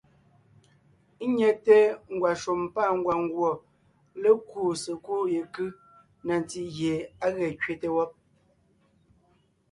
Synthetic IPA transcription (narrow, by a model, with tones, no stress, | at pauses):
ɲɛ˨te˦ŋ̩˨ɡwa˨ʃo˨mpa˦˨ŋ̩˦ɡwa˨ŋ˦ɡwɔ˨ | le˦ku˦˨se˨ku˦je˨kɯ˦ | na˨n˨ti˨ɣje˨a˦ɣɛ˨kɥe˦te˨wɔ˦p̚